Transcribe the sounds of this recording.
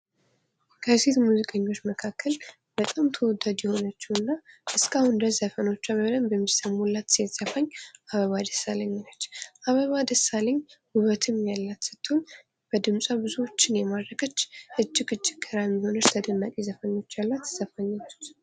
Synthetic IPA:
kʰəset̪muzikʼəɲːo̞t͡ʃːməkʰakʰːəl | b̥ət̪ʼamt̪ʰəwɔd̪ad̪jɛho̞nət͡ʃːɛwɨnːaʔɨskʰʼahʊnd̪əzəfəno̞t͡ʃːaβələmbəmːisəmulːat̪set̪z̥əfaɲːʔaβəβad̪əsaləɲːnət͡ʃːʔaβəβad̪əsaləɲːhuβət̪ʰɨmjalːat̪sɨ̥t̪ʰːoɲ | b̥əd̪ɨmsʼabɨzuwo̞t͡ʃːɪnjɛmad̪ɾəkʰət͡ʃːʔɨd͡ʒːɪɡɨd͡ʒːɪɡəɾamiho̞nət͡ʃt̪ʰəd̪ənːakʼizəfəno̞t͡ʃːalːat̪ːɨz̥əfaɲːat͡ʃːu̥t̪

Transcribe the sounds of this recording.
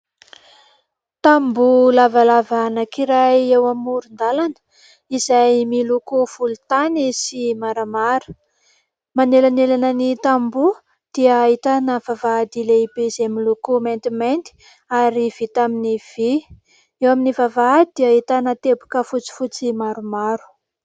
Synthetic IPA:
t̪ambulavalavanakiɾajewamuɾund̪alanə̥ | izajmilukuv̥ulut̪anisimaɾamaɾə̥ | manelanelanənit̪ambu | d̪̥iəːit̪anəv̥avad̪ileibeizemilukument̪iment̪i̥ | aɾiv̥it̪aminiv̥i | ewaminivavad̪iaɦit̪anət̪ebu̥kəfut͡si̥fut͡simaɾumaɾu̥

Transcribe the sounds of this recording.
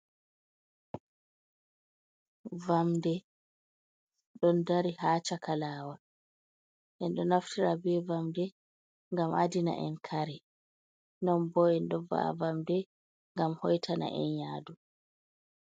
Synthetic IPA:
vamdɛ | ɗɔndaɾihaːt͡ʃakʰalaːwa | ʔɛnɗɔnaftʰiɾabɛvamdɛ | ŋɡamʔadina̰ʔɛ̰nkʰaɾɛ | nɔnbɔɛnɗɔva̰a̰vamdɛ | ŋɡamhɔjtʰana̰ʔɛ̰njaːdu

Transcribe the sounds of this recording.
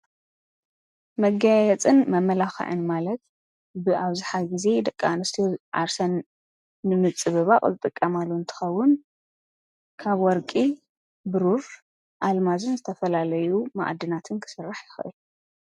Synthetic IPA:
mɐɡajɛt͡sʼɨnmɐmːɐlaxɨ̰ʕɨ̰nmalɐt̪̚ | bɨʔaβzɨħaɡize̞d̪ɐkʼːanɐst̪ʰijoʕa̰ɾsɐnː | ɨmɨt͡sʼːɨβɨβaqʼzɨt̪ʼɨkʼːɐmalːuɨnt̪ʰɨ̥xɐwːʊn | kʰaβwɔɾkʼi | bɨɾuɾ | ʔalmazɨnzɨt̪ʰɐfɐlalɐjuma̰ʔd̪ɨnat̪ʰɨnkʰɨ̥sɨrːaħjɪxʔɨ̰lu

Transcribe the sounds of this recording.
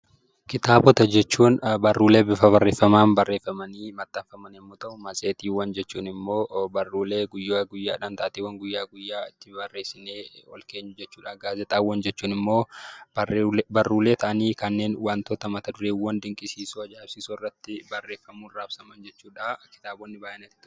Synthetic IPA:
kɪt̪aːbɔt̪ɐd͡ʒɛt͡ʃːuːnbɐrːuːleːbɪfɐbɐrːeːfːɐmaːnbɐrːe̞ːfɐmɐniːmɐt̪ːɐnfɐmɐnɛmːoːt̪ɐʔʊmɐseːt̪iːwɐnd͡ʒɛt͡ʃːuːnɪmːo̞ːbɐrːuːleːɡʊjːaɡʊjːaːᶑaːnt̪ɐʔt̪iːwɐŋɡʊjːaːɡʊjːaːɪt̪ːɪbɐrːe̞ːsɪneːɔ̰lke̞ːɲːʊd͡ʒɛt͡ʃːuːᶑaːɡaːzɛt̪ʼaːwɐnd͡ʒɛt͡ʃːuːnɪmːo̞ː | bɐrːuːle̞ːt̪ʰɐʔɐniːkɐnːe̞ːnwaːnt̪ɔt̪ɐmɐt̪ɐd̪ʊɾeːwɐnd̪ɪŋkʼɪsiːsoɐd͡ʒaːbsiːsoɪrːɐt̪ːɪbɐrːeːfːɐmuːnraːbsɐmɐnd͡ʒɛt͡ʃːuːᶑakɪ̥t̪aːbɔnːɪbaːjɛnɐt̪it̪ʊ

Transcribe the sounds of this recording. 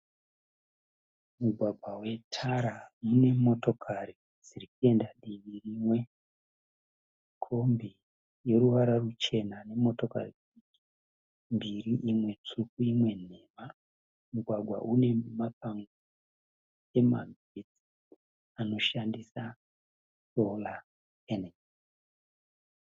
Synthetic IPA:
muɡʱwaɡʱwawe̞tʰaɾamune̞mo̞to̞kʰari | d͡zirikue̞ndaɗiʋirimwe̞ | kʰo̞mbi | je̞ɾuʋaɾarut͡ʃe̞nane̞mo̞to̞ka̰ri | iki̥ | mbiriʔimwe̞t͡ʂukuimwe̞ne̞ma | muɡʱwaɡʱwa̰ʔune̞makaŋɡo | e̞ma̰ɡ | et͡si̥ | ano̞ʃandisa | so̞la | ene

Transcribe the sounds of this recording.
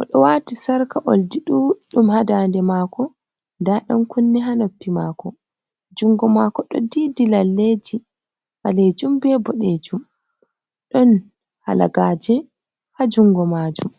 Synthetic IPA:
ʔɔɗɔwaːtisaɾkaʔoldiɗuːɗumhadandɛmaːkɔ | ndaɗɔnkunːɛɦanopːimakɔ | d͡ʒuŋɡɔmakɔɗɔ̰didilalːed͡ʒi | haled͡ʒumbɛbɔɗed͡ʒum | ɗɔn | hala̰ɡaːd͡ʒɛ | had͡ʒuŋɡɔmaːd͡ʒum

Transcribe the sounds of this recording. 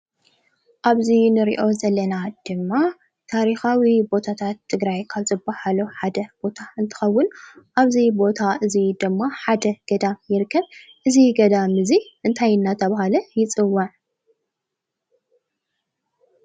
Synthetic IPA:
ʔaβzinɨɾḭʔo̞zɐlːɐnad̪̥ɨmːa | t̪ʰaɾixawibo̞t̪ʰat̪ʰat̪ʰːɨɡɾajkʰaβzɨbːahaluħad̪ɐb̥o̞t̪ʰaɨnt̪ʰɨ̥xɐwːʊnʔaβzibo̞t̪ʰaʔɨzid̪ɨmːaħad̪ɐɡ̥ɐd̪amjɪɾkʰːɐβʔɨziɡɐd̪amɨziʔɨnt̪ʰajɨnːat̪ʰɐβahalɐjɪt͡sʼɨwːɐʕ

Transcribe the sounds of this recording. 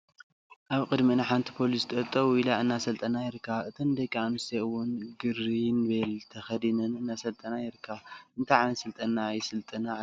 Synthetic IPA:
ʔaβkʼɨd̪minaħant̪ʰi̥pʰo̞list̪ʼɐt̪ʼːɐwuilaɨnːasɐlt̪ʼɐnajɪɾɨkʰːaβɨt̪ʰɐnd̪ɐjkʼːanɨst̪ʰeɨwʊnɡɨɾinbelt̪ʰɐxɐd̪inɨnɨnːasɐlt̪ʼɐnajɪɾɨkʰːaβɨnt̪ʰajʕanɐsɨlt̪ʼɐnːaːjsɨlt̪ʼɨna

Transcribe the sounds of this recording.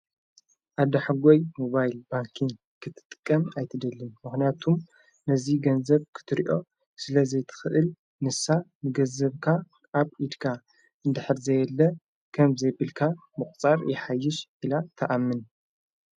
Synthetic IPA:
ʔad̪ɐħaɡojmoβajlbaŋkʰiŋɡ | kʰɨt̪ʰːɨ̥t̪ʼːɨ̥kʼːɐmajt̪ʰɨd̪ɐlːɨnmɨxnijat̪ʰum | nɐziɡɐnzɐβkʰɨ̥t̪ʰɨɾiʔo̞ | sɨlɐzɐjt̪ʰɨ̥xɨʔɨl | nɨsamɨɡɐzɐβkʰa | ʔaβid̪kʰa | ɨnd̪ɨħɨɾzɐjɛlːɐ | kʰɐmzɐjbɨlkʰamɨχʼt͡sʼaɾjɛħajːɪʃʔilat̪ʰɐʔamːɨn

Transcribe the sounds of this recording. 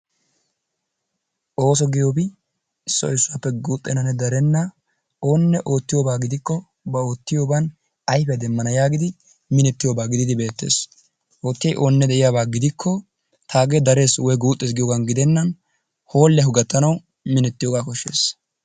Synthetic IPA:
ʔo̞ːs̬ɔɡɪjoːbɪ | ɪsːɔ̰ɪsːʊapːɛɡuːt̪ʼːɛnɐnɛd̪ɐɾɛnːɐ | o̞ːnːɛʔo̞ːt̪ːɪjoːbaːɡɪd̪ɪkːɔ | bɐo̞ːt̪ːɪjoːbɐn | ɐjfɛɐd̪ɛmːɐnɐjaːɡɪd̪ɪ | mɪnɛt̪ːɪjoːbaːɡɪd̪ɪd̪ɪbe̞ːt̪ːe̞̰ːs | ʔoːt̪ːɛjʔo̞ːnːɛd̪ɛʔɪjaːbaːɡɪd̪ɪkʰːɔ | t̪ʰaːɡed̪ɐɾe̞ːswɔjɡuːt̪ʼːeːs̬ɡɪjoːɡanɡɪd̪ɛnːɐn | ho̞ːlːɛɦʊɡɐt̪ːɐnɐw | mɪnɛt̪ːɪjoːɡaːkɔʃːe̞̰ːs

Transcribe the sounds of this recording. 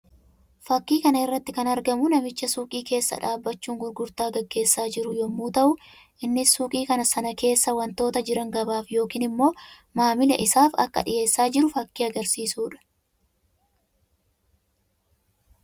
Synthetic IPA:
fɐkːiːkɐnɐɪrːɐt̪ːɪkɐnɐɾɡɐmʊnɐmɪt͡ʃːɐsuːkʼiːke̞ːsːɐ̰ᶑaːbːɐt͡ʃːuːŋɡʊɾɡʊɾt̪aːɡɐɡːe̞ːsːaːd͡ʒɪɾʊjɔmːuːt̪ɐʔʊ | ʔɪnːɪsuːkʼiːkɐnɐsɐnɐke̞ːsːɐwɐnt̪o̞ːt̪ɐd͡ʒɪɾɐŋɡɐbaːfjo̞ːkiːnɪmːo̞ː | maːmɪlɛʔɪsaːfɐ̰kːɐ̰ᶑɪje̞ːsːaːd͡ʒɪɾʊfɐkːiːɐɡɐɾsiːsuːᶑɐ̥

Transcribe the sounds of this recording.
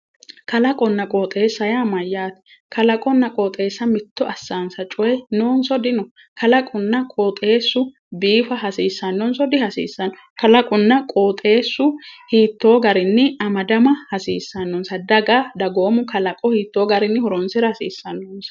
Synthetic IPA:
kɐlɐkʼɔnːɐkʼoːt̪ʼe̞ːsːɐjamɐjːaːt̪ɛ̥ | kɐlɐkʼɔnːɐkʼoːt̪ʼe̞ːsːɐmɪt̪ːɔʔɐsːaːnsɐt͡ʃʼʊjɛnoːnsɔd̪ɪnɔ | kʰɐlɐkʼʊnːɐkʼoːt̪ʼe̞ːsːʊ | biːfɐɦɐsiːsːɐnːɔnsɔd̪ɪhɐsḭːsːɐnːɔ | kɐlɐkʼʊnːɐkʼoːt̪ʼe̞ːsːʊhiːt̪ːo̞ːɡɐɾɪnːɪɐmɐd̪ɐmɐhɐsḭːsːɐnːɔnsɐd̪ɐɡad̪ɐɡo̞ːmʊkʰɐlɐkʼɔhiːt̪ːo̞ːɡɐɾɪnːɪhɔɾɔnsɪɾɐhɐsḭːsːɐnːɔnsɐ̥

